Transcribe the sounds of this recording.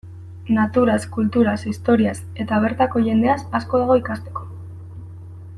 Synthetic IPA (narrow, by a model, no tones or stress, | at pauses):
nat̪uɾaskult̪uɾasist̪o̞ɾias | e̞t̪aβ̞e̞ɾt̪ako̞ʝe̞nd̪e̞asasko̞ðaɣ̞o̞ikast̪e̞ko̞̥